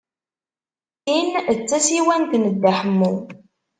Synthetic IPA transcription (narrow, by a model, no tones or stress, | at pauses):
int͡sːæsiwænt̪nəd̪ːaħəmːu